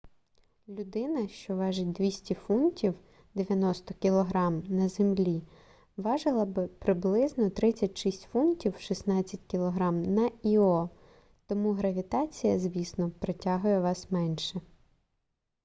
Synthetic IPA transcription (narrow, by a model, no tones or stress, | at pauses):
lʲʊd̪ɪnɐʃt͡ʃɔʋɑʒɪt̚ʲd̪ʋʲisʲtʲifuntʲiw | d̪eʋʲjɐnɔst̪ɔkʲilˠɔɦɾɑmnɐzemlʲi | ʋɑʒɪlˠɐbɪpɾɪblˠɪznɔt̪ɾɪt͡sʲːɐtʲʃisʲtʲfuntʲiwʃisnɑt͡sʲːɐtʲkʲilˠɔɦɾɑmnɐiɔ | t̪ɔmuɦɾɐʋʲit̪ɑt͡sʲijɐzʲʋʲisnɔpɾɔtʲɑɦʊjɛʋɑsmɛnʃɛ